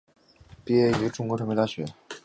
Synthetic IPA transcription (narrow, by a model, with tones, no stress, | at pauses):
pi˥ɛ˥˩y˧˥ʈ͡ʂʊ˥ŋkwɔ˧˥ʈ͡ʂʰɤ˧˥ŋpt̪a˥˩ɕɥɛ˧˥